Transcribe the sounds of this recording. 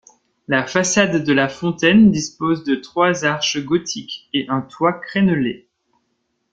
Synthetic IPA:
lafasad̪ːəlafɔ̃t̪ɛnd̪ispozd̪ət̪χwazaʁʃəɡɔt̪ʰikeʔɛ̃t̪wakχɛnəle

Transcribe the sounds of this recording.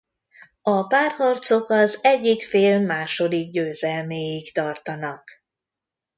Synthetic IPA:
ɒpaːrhɒrt̪so̞kɒzɛɟːikfeːlmaːʃo̞d̪iɡ̚ɟøːzɛlmeːjikt̪ɒrt̪ɒnɒk

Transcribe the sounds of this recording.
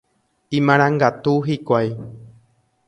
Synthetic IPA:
ĩmãɾ̃ãŋɡat̪uɦikʷaj

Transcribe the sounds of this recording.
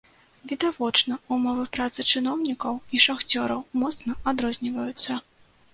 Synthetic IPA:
vʲid̪avɔt͡ʂnɐumɔvɨpɾat̪sɨt͡ʂɨnɔwnʲikɐwiʂaxt͡sʲɔɾɐwmɔt̪snɐad̪ɾɔzʲnʲivɐjut̪sːɐ

